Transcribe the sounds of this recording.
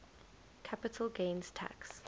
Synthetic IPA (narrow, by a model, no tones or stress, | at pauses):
kʰapɪtʰəlˠɡẽɪ̃nz̥tʰa̰ks